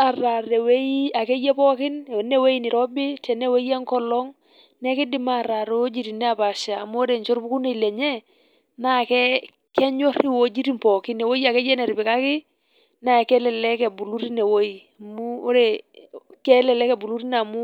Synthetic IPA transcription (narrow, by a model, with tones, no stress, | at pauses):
a˨ra˨ɾɛ˨we˦ji˦a˨kɛ˦jɛ˦pɔ˦kɪ˦n˨nɛ˦we˦i˦nɪ˨ɾɔ˦bɪ˦tɛ˨nɛ˦we˦ja˦ŋkɔ˦lɔ˦ŋ | nɛ˦kɪ˦dɪ˦ma˦˨ɾa˨ɾɛ˨wo˦d͡ʒi˦ɾi˨nɛ˦a˨pa˨ʃaː˨mu˦o˦ɾe˨ɲt͡ʃɔ˦ɾbu˦ku˦ne˨lɛ˨ɲɛ˦ | na˦˨kɛ˦ | kɛ˦ɲɔ˦ɾi˦wo˦d͡ʒi˦ɾi˦mpɔ˨kɪ˦nɛ˨wo˦ja˨kɛ˦jɛ˦nɛ˨ɾɪ˨bɪ˨ka˦kɪ˦ | na˦˨kɛ˦lɛ˨lɛ˦kɛ˨bu˨lu˦ɾi˦nɛ˨wo˦i˨a˨mu˦o˦ɾɛ˨kɛ˦lɛ˨lɛ˦kɛ˨bu˨lu˦ɾi˦na˨mu˦